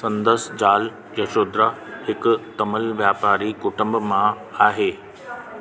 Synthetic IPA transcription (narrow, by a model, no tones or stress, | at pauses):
sɐ̃nd̪əsd͡ʑaːl | jɐʃoːd̪ɾahɪkʊt̪ɐməlʋjaːpaːɾikʊʈə̃mbmã | aːɦeː